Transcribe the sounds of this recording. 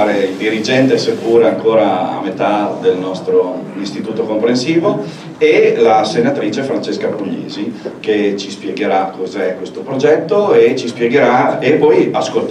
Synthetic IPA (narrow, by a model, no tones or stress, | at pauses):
aɾeild̪iɾid͡ʒɛnt̪esekuːɾaaŋkoːɾaa̰met̪ad̪elnɔst̪ɾoist̪it̪uːt̪okompɾensiːvo | elasenat̪ɾiːt͡ʃefɾant͡ʃeskabɾuʎːḛːziket͡ʃispjeɡeɾakːozɛkːwest̪opɾod͡ʒɛt̪ːoet͡ʃispjɛɡeɾaepɔjaskolt̪